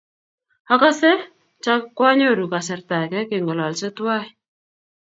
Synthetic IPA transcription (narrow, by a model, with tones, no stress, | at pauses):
a˦ka˦sɛ˦ | t͡ʃa˦kːwa˦ɲo˦˨ɾu˨ka˨sɛ˨rta˨kɛ˦kɪ˨ŋɡɔ˨lɔ˨lsɪ˦twa˦j